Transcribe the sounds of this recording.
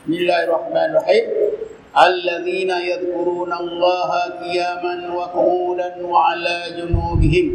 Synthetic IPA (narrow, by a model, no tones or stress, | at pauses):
ɪsmmɪlːaːhɪrˤɑħmaːnɪrˤɑħiːm | ʔalːaðiːnajaðkʊɾuːnalˤːɑːɦaqɪjaːmanwatʊʔuːlanwaʕalaːd͡ʒʊnuːbɪɦɪm